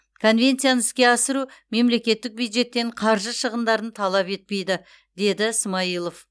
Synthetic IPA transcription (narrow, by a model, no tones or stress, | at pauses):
kʰo̞nvʲe̞nt̪sijanəɪskʲe̞ɑsəɾume̞mle̞kʲe̞t̪ːɪk̚bujd̪ʒe̞t̪ːe̞ɴqʰɑɾʒəʃəʁənd̪ɑɾənt̪ʰɑlˠɑpe̞t̪̚pe̞jd̪ɪ | d̪e̞d̪ɪsmɑilˠov